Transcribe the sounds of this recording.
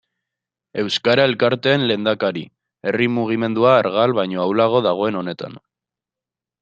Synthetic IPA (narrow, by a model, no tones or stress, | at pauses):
e̞wskaɾae̞lkaɾt̪e̞ːnle̞nd̪akaɾi | e̞rimuɣ̞ime̞nd̪uaːɾɣalβajɲo̞awlaɣo̞ðaɣ̞o̞e̞no̞ne̞t̪a̰n